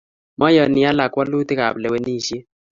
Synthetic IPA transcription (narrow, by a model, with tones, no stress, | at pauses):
mʔɔ˦jɔ˨nɪ˨ja˦la˨kwa˦lu˦tɪ˦ka̰˨blɛ˨wɛ˦ni˦˨ʃje˦